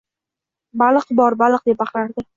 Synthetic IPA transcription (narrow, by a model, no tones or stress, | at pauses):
balˠɨqbɒɾbalˠɨq̚d̪ep̚baχɾaɾd̪ɪ